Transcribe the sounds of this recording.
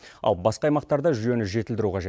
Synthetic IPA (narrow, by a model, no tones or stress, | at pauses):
ɑ̰lˠbɑsqɑːjmɑqt̪ɑɾd̪ɑʒʏje̞nɪʒe̞t̪ɪld̪ɪɾuqʰɑʒe